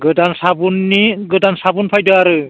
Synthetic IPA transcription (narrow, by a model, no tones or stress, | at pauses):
ɡɯdansabunːiɡɯdansabunpʰajdɯaɾɯ